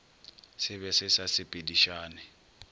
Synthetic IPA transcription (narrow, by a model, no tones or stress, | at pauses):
sɪβɛsɪsasɪpʼediʃaːnɪ